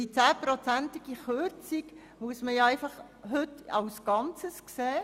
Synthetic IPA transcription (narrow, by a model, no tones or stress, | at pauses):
it͡sæːpɾɔt͡sænt̪ɪɡ̥iχøt͡sik | muəsməjæɪfɑχ | ɦɵtɑwsɡ̥ɑnt͡səskseː